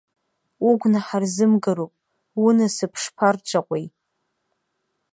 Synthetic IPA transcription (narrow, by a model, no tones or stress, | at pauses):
uɡʷnaħarzɨmɡaɾupʼ | wunasɨpʰʂpʰart͡ʃʷʰʼaqʷʼej